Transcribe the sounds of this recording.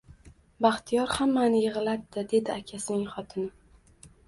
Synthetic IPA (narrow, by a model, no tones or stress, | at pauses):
baχt̪ʰijɒɾhamːanɪjɨʁɨlad̪̚d̪ɪd̪e̞d̪ɪakʲʰasɪnɪŋχɒt̪ʰɪnɪ